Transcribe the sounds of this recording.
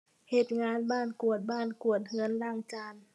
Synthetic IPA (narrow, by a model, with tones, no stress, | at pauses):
he˨˩t̪̚ŋaː˧˥nbaː˥˩nku˨˩ət̪̚baː˥˩˨nku˨˩ət̪̚ŋɯ˧˥ənlaː˧˩ŋt͡ɕaː˧˩n